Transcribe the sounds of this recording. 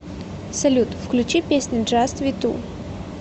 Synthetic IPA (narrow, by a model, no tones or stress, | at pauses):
sɐlʲut̪fklʲʉt͡ɕipʲesʲnʲʊʐast̪vʲit̪ṵ